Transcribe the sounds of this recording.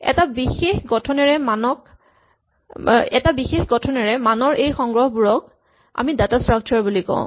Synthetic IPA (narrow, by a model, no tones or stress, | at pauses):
ɛ̰tabixexɡɔtʰɔnɛɹɛmanɔk̚ | ɛ̰tabixexɡɔtʰɔnɛɹɛmanɔɹʔejxɔŋɡɹɔhbuɹɔk̚ | a̰midatastɹak̚t͡ʃʰɔɹbulikɔ̰̃ʊ̃